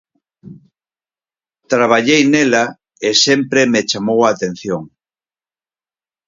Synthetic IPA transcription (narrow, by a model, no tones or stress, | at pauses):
t̪ɾaβ̞aʎejnela | esempɾemet͡ʃamowaːt̪ẽn̟θjoŋ